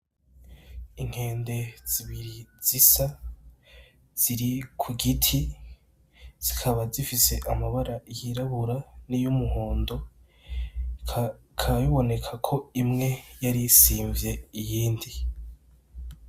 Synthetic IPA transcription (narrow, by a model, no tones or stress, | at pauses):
iŋ̥he̞ːnde̞z̥iβiɾiz̥isa | z̥iɾikʰuɡitʰi | z̥ikʰaβazifise̞ʔamaβaɾajiɾaβuɾanijumuhoːndo̞ | kʰajuβo̞ne̞kʰakʰo̞imŋe̞jaɾisiːɱvje̞ijiːndi